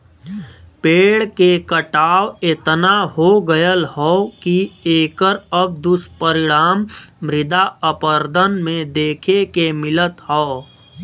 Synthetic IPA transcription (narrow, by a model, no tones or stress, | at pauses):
peːɽkekəʈaːwɪt̪naɦoɡəjəlɦɔːkieːkəɾəb̚d̪ʊspəɾɪɽaːmːɾɪd̪aəpəɾd̪ʱənmẽd̪eːkʰekemɪlət̪ɦɔː